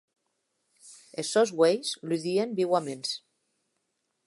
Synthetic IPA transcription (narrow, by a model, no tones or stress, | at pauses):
esozɣwejslyðiembiwamens